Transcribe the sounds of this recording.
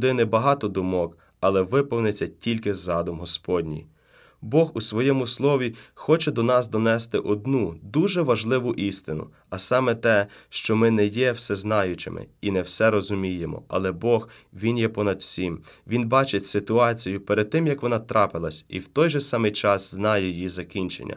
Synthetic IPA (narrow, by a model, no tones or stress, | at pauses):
d̪ɪnɪbɐɦɑt̪ɔd̪ʊmɔk | ɐlˠɛʋɪpɔwnɪt͡sʲːɐtʲʰilʲkɪzɑd̪ʊmɦɔspɔdʲnʲḭj | bɔɦusʋɔjɛmʊslˠɔʋʲixɔt͡ʃɛd̪ɔnɑsd̪ɔnɛst̪ɪʔɔd̪nud̪uʒɛʋɐʒlˠɪʋʊʔist̪ɪnʊ̰ | ɐsɑmɛt̪ɛʃt͡ʃɔmɪnɛjɛwsɛznɑjʊt͡ʃɪ̰mʔɪ̰inɛwsɛɾɔzʊmʲijemɔ̰ɐ̰lˠɛbɔɣ | ʋʲinjɛpɔnɐd̪wsʲimʋʲinbɑt͡ʃetʲsɪt̪ʊɑt͡sʲijʊpɛɾed̪̚t̪ɪmjɐkʋɔnɑt̪ɾʔɑpɪlˠɐsʲḭwt̪ɔjʒɛsɑmɪjt͡ʃɑsznɑjɛjizɐkʲinʲt͡ʃḛnʲːɐ̰